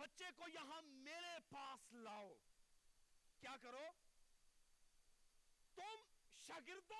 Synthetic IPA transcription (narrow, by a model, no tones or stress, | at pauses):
bɐtːʃekojɐɦãmeːɾepaːslaːoː | kjaːkɐɾoː | t̪ʊmʃɐɡɪɾt̪o